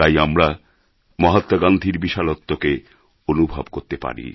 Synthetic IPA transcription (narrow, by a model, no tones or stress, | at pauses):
ajamɾa | mɔɦat̪ːoɡand̪ʱiɾbiʃalot̪ːoke | onubʱabkoɾt̪epa̰ɾḭ